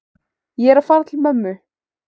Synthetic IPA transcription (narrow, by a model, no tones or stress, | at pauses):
jɛɾafaːɾat̪ʰɪlmœmːʏ